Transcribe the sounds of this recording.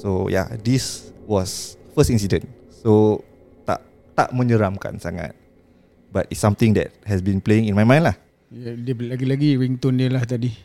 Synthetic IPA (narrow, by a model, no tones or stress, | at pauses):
soja̰diswɔsfəstĩns̬idə̃n | so | t̪a̰ʔ | t̪a̰ʔmə̃ɲəɾamka̰nsaŋa̰t̪̚ | batitsamt̪ĩŋdɛ̰t̚hɛsbĩnpleĩŋinmajmãj̃ndlah | jdiəlaɡilaɡiwiŋt̪ɔndiəlaht̪adi